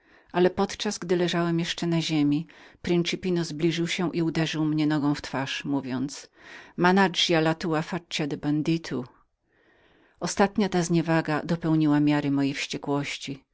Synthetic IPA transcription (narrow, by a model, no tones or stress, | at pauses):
ʔalɛpɔt̪t͡ʂazɡd̪ɘlɛʐawɛmjɛʂt͡ʂɛnaʑemʲipɾɛnt͡ʂɘpʲinɔzblʲiʐɘwɕɛʔiud̪ɛʐɘwmɲɛnɔɡɔ̃w̃ft̪faʂmuvʲjɔnt̪smanad͡ʐjalat̪uafat͡ɕad̪ɛband̪it̪ʰu | ɔst̪at̪ɲat̪azɲɛvaɡad̪ɔpɛwɲiwamʲjaɾɘmɔjejfɕt͡ɕɛkwɔɕt͡ɕi